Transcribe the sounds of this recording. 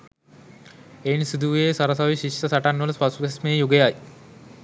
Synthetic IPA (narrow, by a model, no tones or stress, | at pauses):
ensid̪uʋesaɾəsaʋiɕisɐsaʈanʋələspasuɡesmejjuɡejaj